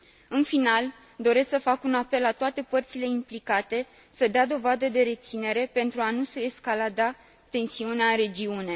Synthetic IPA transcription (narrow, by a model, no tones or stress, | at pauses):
ɨnfinal | d̪o̞ɾe̞sksəfakunape̞lːat̪oat̪e̞pərt̪sile̞implikat̪e̞ | səd̪ead̪o̞vad̪əd̪e̞ɾe̞t̪sine̞ɾe̞pe̞nt̪ɾuanuseːskalad̪a | t̪e̞nsiuneaɨnɾe̞d͡ʒiune̞